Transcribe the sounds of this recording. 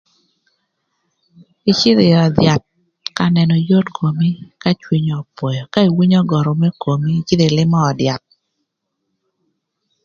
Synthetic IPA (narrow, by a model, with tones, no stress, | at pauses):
i˨t͡ʃɪ˦ðɪ˨jɔ˨d̪ja˨t̪̚ | ka˦nɛ˨nɔ˨jo˦tkʰo˨mi˦ka˦t͡ʃwi˦ɲɔ˨pwɔ˨jɔ˨ka˦i˨wi˦ɲɔ˦ɡɔ˨ɾo˨mɛ˦ko˨mi˦t͡ʃɪ˦ðe˨lɪ˦mɔː˦˨dja˨t̪̚